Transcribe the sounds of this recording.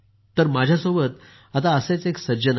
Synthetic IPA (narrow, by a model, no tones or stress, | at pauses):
t̪ːəɾmad͡ʑʱjasobət̪̚ | at̪aəsẽt͡seksəd͡ʑən